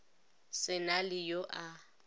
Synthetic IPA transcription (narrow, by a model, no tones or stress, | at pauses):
sɪnalɪjoʔa